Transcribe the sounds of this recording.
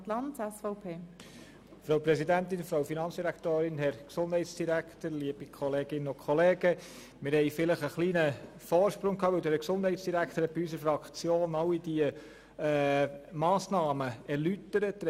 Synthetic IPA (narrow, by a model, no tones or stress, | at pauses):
tlɑnsɛsfɔʊpʰeː | fɾoʊpɾɛsidænt̪ɪnfɾawfinɑnt͡ssd̥iɾækt̪oːɾɪnɦɛɾksond̥̪hɛjtsd̥iɾækt̪əɾliəb̥ikʰχɔleːɡ̥ɪnːənʊkʰχɔleːɡ̥ə | mɪɾhɛɪfɪləχəχliːnə | fɔːɾʃpɾʊŋkʰɑːʋɪwd̪ɛɾəksʊnd̥ɦɛɪtsd̥iɾækt̪əɾhɛt̚b̥iys̬əɾfɾɑkχt͡sjoːnɑwid̥iə | mɑːsnɑːməɛɾlytəɾət